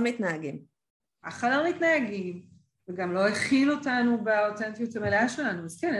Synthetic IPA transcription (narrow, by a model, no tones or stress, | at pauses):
mitnaaɡim | aχadaʁmitnaaɡim | veɡamlo̞eχilo̞tanubeotentijothameleaʃelanuazken